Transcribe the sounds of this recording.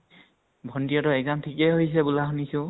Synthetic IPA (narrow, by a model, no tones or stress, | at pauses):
bʱɔndijɔtɔɛk̚zamtʰikɛɦojs̬ɛbulaxunisʊ̃